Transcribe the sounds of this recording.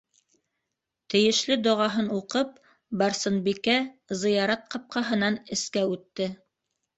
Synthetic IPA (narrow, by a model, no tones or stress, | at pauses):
t̪ɘ̆jɘ̆ʃlɘd̪ŏʁɑɦɤnuqɤp̚ | bɑɾsɤnbikæzɤ̆jɑɾɑt̪̚qɑp̚qɑɦɤ̆nɑnɘ̆skæʉt̪ːɘ